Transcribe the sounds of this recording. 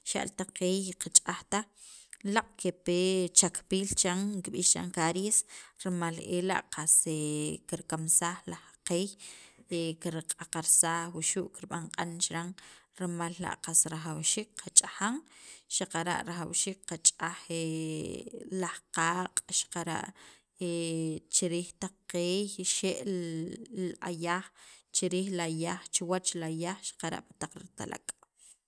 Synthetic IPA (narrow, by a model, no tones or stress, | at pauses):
ʃa̰ʔlt̪aqeːjqat͡ʃʼaxt̪a | laqʼkepeːt͡ʃakpiːlt͡ʃaŋkiɓiːht͡ʃa̰ŋkaɾjesɾmalela̰ʔqasekiɾkamsaːχlaχqeːjekiɾqʼaqaɾsaːxwuʃuːʔkiɾɓaɴqʼant͡ʃɾaŋɾmalːa̰ʔqasɾaxawʃiːk̚qʰat͡ʃʼaxaŋʃaqaɾa̰ʔɾaxawʃiːk̚qat͡ʃʼaxe | lahqaːqʼʃḁqaɾa̰ʔ | et͡ʃiɾiːxt̪aq͡χqeːjʃeʔ | a̰jaːxt͡ʃiɾiːxlajaːxt͡ʃiwat͡ʃlajaːxʃḁqaɾa̰ʔpḁt̪aq͡χɾḭt̪a̰lʔa̰kʼ